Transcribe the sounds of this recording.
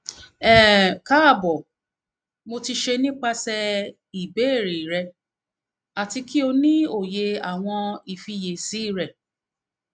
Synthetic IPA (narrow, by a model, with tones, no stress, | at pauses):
ɛ˦˨ka˦˨bɔ˨ | mo˧ti˧ʃe˧nĩ˦k͡pa˧sɛ˧ | i˨be˨˦˨ɾi˨ɾɛ˧ | a˨ti˧ki˦o˧nĩ˦o˦˨je˧a˨w̃ɔ̃˧i˨fi˧je˨si˨˦i˦˨ɾɛ˨